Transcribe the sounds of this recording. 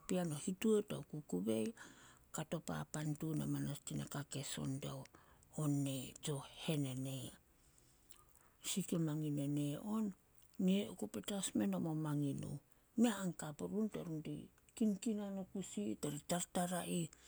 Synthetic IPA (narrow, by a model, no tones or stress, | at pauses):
pianohitueta̰ukukuβejkato̞pa̰pantunamanastinakake̞so̞̰ndawonːet͡ʃo̞he̞nenea | sikemaŋineneonː | eokupetasme̞nomomaŋino̰ | meaːŋkapuɾuntaɾundḭ | kinkinanokusitaɾitaɾtaɾaʔi